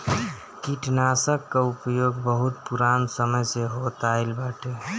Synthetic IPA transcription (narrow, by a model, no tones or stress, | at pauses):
kiʈnasəkːeupjoɡbəɦut̪puɾansəməjseɦot̪aeɪlbaʈe